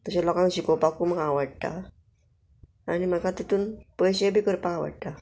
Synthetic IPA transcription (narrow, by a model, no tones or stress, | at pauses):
t̪əɕelɔkãŋɕikopakuməɦãʋaɽt̪a̰ | animəɡat̪it̪uːnpəjɕebʱikəɾpaaʋa̰ɽt̪a